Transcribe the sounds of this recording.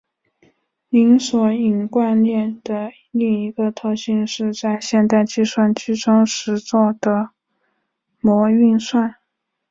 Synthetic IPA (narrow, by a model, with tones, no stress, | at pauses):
li˧˥ŋswɔ˧˥i˨˩nkwa˥˧nljɛ˥˩nd̪̥ə˩ | li˥˩ŋi˧˥ɡə˧t̪ʰɤ˥˧ɕi˥˧nʂɻ̩˥˧t͡sa˥˧ɪɕjɛ˥˧nt̪̬a˥˧ɪt͡ɕi˥˧swa˥˩nt͡ɕy˥ʈ͡ʂʊ˥ŋʂɻ̩˧˥t͡swɔ˥˩d̪̥ə˩ | mwɔ˧˥y˥˧nswa˥˩n